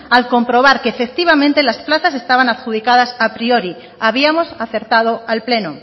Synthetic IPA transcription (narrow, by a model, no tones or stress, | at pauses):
alko̞mpɾo̞β̞aɾkeːfek̚t̪iβamẽnt̪elasplaθase̞st̪aβ̞anaðxuð̞ikað̞asapɾio̞ɾi | aβ̞iamo̞saθe̞ɾt̪að̞oalple̞no